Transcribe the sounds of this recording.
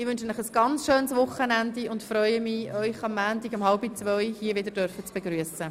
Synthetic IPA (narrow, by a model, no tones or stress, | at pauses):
ɪʋʏnʃənləχəsɡ̥ɑnt͡sʃøːnsʋʊχənændiʊndfɾœʏəmiœʏχɑmːæːntiɡɑmhɑlbit͡svœjhiəvɪdəɾdœɾfət͡sb̥eɡɾyəsə